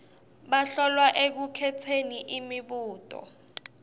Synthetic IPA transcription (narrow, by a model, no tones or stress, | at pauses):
ɓaɬɔlwaʔek̬ukʰɛtʰeniʔimiɓuːtʼɔ̰